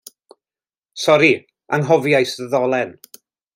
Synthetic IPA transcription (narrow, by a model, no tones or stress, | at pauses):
sɔɾi | ə̰nɦɔvjajsðəðɔlˠɛn